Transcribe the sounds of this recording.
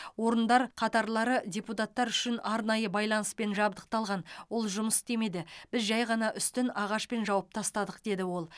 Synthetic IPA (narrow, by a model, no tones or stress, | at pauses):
wo̞ɾənd̪ɑɾqʰɑt̪ɑɾlˠɑɾədʲe̞put̪ɑt̪ːɑɾʏʃɪnɑɾnɑjəbɑjlˠɑnəspe̞nʒɑbd̪əq̚t̪ɑlˠʁɑnwo̞lˠʒʊməst̪e̞me̞d̪ɪb̥ɪzʒɑjʁɑnɑʔʏst̪ɪnɑʁɑʃpe̞nʒɑwɑp̚t̪ʰɑst̪ɑd̪əq̚d̪̥e̞d̪ɪwo̞lˠ